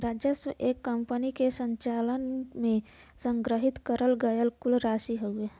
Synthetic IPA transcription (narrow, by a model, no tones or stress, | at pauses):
ɾad͡ʒjəswəʔekːəmpənikesəɲt͡ʃalənmẽ | səŋɡɾəɦit̪kəɾəlɡəjəlkulɾasiɦoe